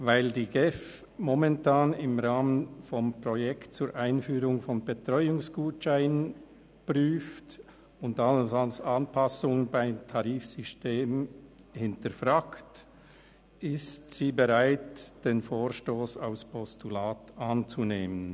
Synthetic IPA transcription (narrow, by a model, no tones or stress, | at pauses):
vaɪldiːɡɛf | mɔmɛntʰaːnɪmʁaːmənfɔmpʁ̥ɔjɛktt͡suːɾʔaɪnfyːɾʁʊŋfɔnbetʁ̥ɔʏʊŋsɡ̥uːtʃaɪnənn | pʁyːft | ʊntasalsanpʰasʊŋbaɪmtʰaʁiːfsʏsteːm | hɪntəfʁaːkt | ʔɪstsiːbeʁaɪtd̥eːnfoːʁʃtoːsa̰ʊspʰɔstulaːtʔant͡suneːmən